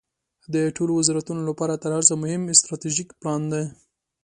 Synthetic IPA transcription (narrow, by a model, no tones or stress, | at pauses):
d̪əʈʰolowazɑɾat̪unolapɑɾat̪əɾhaɾsamʊhɪmɪst̪ɾɑt̪iʒikplɑnd̪aj